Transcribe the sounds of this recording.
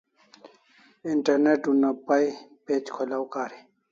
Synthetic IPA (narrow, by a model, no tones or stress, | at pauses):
iɳʈɐɾneʈunapaipeːt͡ɕkʰolawkaːɾi